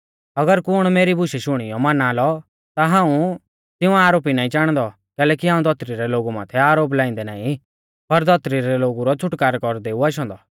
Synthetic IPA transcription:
ɐɡəɾkʊɽ̃meːɾibʊʃɛʃʊɽ̃ijɔmanaːlɔ | t̪aɦãːũ | t̪ɪũaːɾoːp̬inaːĩt͡ʃaːɽ̃d̪ɔ | kɛːlɛːkiɦãːũd̪ʱɔt̪ɾiɾɛloːɡumã̰ːt̪ʰɛaːɾoːp̬laːɪ̃nd̪ɛna̰ːĩ | pɐɾd̪ʱɔt̪ɾiɾɛloːɡuɾɔt͡ʃʰʊʈkaːɾkɔɾd̪eːuaʃ̬ɔ̃ːnd̪ɔ

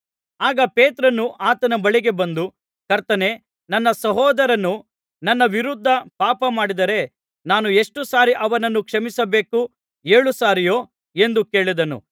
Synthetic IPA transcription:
aːɡɐpeːt̪ɾɐnːuʔaːt̪ɐnɐbɐɭiɡe̞bɐnd̪u | kɐɾt̪ɐne̞ | nɐnːɐsɐɦɔːd̪ɐɾɐnːu | nɐnːɐʋiɾud̪ʱːɐpaːpɐmaːɽid̪ɐɾe̞ | naːnue̞ʂʈusaːɾiʔɐʋɐnɐnːukʂɐmisɐbe̞ːku | eːɭusaːɾijo̞ː | e̞nd̪uke̞ːɭid̪ɐnṵ

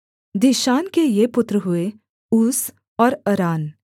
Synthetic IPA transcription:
d̪ɪʃaːnkejepʊt̪ɾəɦʊe | uːs | ɔːɾɐɾaːn

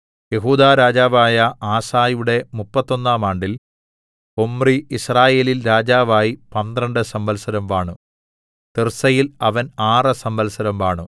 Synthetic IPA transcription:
je̞ɦuːd̪aːɾaːd͡ʑaːʋaːjɐaːsaːjuɽe̞mupːɐt̪ːo̞nːaːmaːɳɖil | o̞mriisraːje̞ːlilɾaːd͡ʑaːʋaːjipɐnd̪rɐɳɖɨsɐmbɐlsɐɾɐmʋaːɳu | t̪ersɐjilɐʋɐnaːrɨsɐmbɐlsɐɾɐmʋaːɳu

